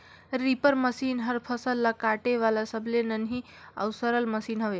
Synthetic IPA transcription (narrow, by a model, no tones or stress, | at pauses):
ɾipəɾməsinɦəɾpʰəsəlːakaʈeʋalasəbʱlenənɦi | ə̰wsəɾəlməsinɦoʋe